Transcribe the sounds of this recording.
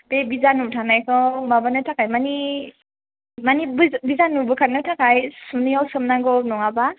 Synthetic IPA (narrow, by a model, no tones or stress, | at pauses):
bebizanutʰanajkʰɯmabanɯtʰakajmani | manibbizanubɯkʰaɾnɯtʰakʰajsunijawsɯmnaɡɔnuŋaba